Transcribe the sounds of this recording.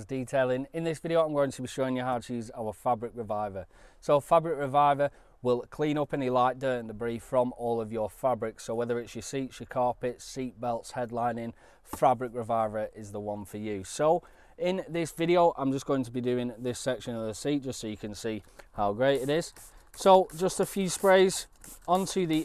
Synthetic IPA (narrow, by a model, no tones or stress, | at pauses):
zdiˑtʰeɪlˠɪ̃ŋɪ̃nðɪsv̥ɪɾioʊãɪ̃mɡoʊɪ̃ŋtʰəbiʃoʊɪ̃ŋjəɦaʊtʰəjʉza̰ʊəfabɹɪk̚ɹɪvaɪvəsoʊfabɹɪk̚ɹɪvaɪvə | wɪlˠkʰl̥ĩnʊpɛnilaɪʔt̚d̥əːə̃nðəbɹiˑfɹə̃mɔːlˠəvjəfabɹɪksoʊwɛðə˞ɪtsjəsiˑtsjəkʰɑɹpɪtsiˑʔ̚b̥ɛlˠtshɛdˡlãɪ̃nɪ̃ŋ | fabɹɪk̚ɹɪvaɪvə˞ɪzðəwʌ̃nfəjʉsoʊ | ɪ̃nðɪsvɪɾioʊʔã̰ɪ̃md͡ʒʌsɡ̥oʊɪ̃ŋtʰəbidʉːɪ̃ŋðɪsɛkʃə̃nəvðəsiˑtd̥ʒ̥ʌstsoʊjəkʰə̃nsiːhaʊɡɹeɪtɪɾɪz̥soʊd͡ʒʌstəfjʉːspɹeɪzɒ̃ntʰʉði